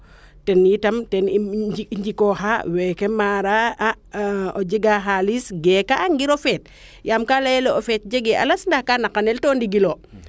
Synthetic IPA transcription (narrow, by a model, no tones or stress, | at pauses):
tɛnːitamtɛniɲd͡ʒikɔɦawɛkɛmaɾaa | od͡ʒeɡaɦalisɡɛkaːŋɡiɾofɛt̚ | jamkalaɛlɔofɛt̚d͡ʒeɡɛa̰lasndahkanakanɛltɔndiɡilo